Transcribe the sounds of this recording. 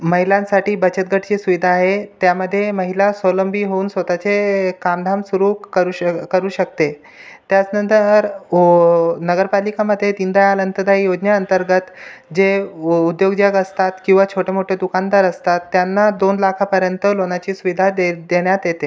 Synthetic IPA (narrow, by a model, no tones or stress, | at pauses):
məɦilãnsaʈiːbət͡ɕət̪̚ɡʱəʈʰt͡ɕisuʋid̪ʱaːɦet̪jaməd̪ʱːjeməɦilasələmbiɦouːnsʋət̪at͡sekamɖ̪ʱamsuɾuːəɾukəɾuːɕək̚t̪e | t̪jat͡snənt̪əɾ | nəɡəɾpalikaməd̪ʱːjet̪ind̪ajalənt̪əd̪ʱaijod͡ʑnjaənt̪əɾɡət̪d͡ʑeud̪joɡd͡ʑaɡəst̪at̪kĩw̃ʋat͡ɕʰoʈʰemoʈʰed̪ukand̪aɾəst̪at̪ːjanːad̪onlakʰapəɾjənt̪əlonat͡ɕiːsuʋid̪ʱad̪eɽjat̪jet̪e